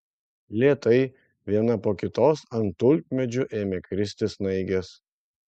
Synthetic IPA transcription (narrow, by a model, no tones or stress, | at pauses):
lʲiɛːt̪ɐɪ | ʋʲiɛnɐpoːkʲɪt̪oːsɐnt̪ʊlʲk̚ʲmʲɛd͡ʒʲʊʔeːmʲɛkɾʲɪsʲt̪ʲɪsnɐɪɡʲɛs